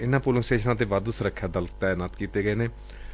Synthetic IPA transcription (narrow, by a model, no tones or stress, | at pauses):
ɪnãːpuːləŋsʈeːʃnãːt̪̬eːʋaːd̪usɾəkʰːjaːd̪əlkt̪anət̪kiːt̪eːɡəeːneː